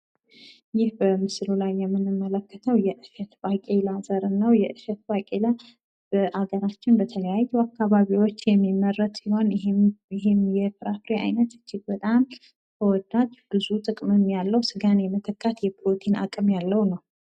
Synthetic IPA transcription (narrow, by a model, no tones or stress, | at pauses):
jɪhbəmɨslulajːɛmːɨnːɨmːələkːət̪ʰəwjɛʔɨʃət̪bakʼelazəɾɨnːəwjɛʔɨʃɛt̪̚bakʼela | b̥əʔaɡəɾat͡ʃːɪnbət̪ʰələjajːuwakːaβaβiwo̞t͡ʃːjɛmːimːərːət̪siho̞nɪɦɪmjɛfɨɾafɾea̰jnət̪ɨ̥t͡ʃːɪɡbət̪ʼam | kʰəwɔd̪ːad̪b̥ɨzut̪ʼɨkʼmɨmjalːəwsɨɡanjɛmət̪ʰəkʼːat̪jɛpʰɨɾot̪ʰina̰kʼɨmjalːəwunəw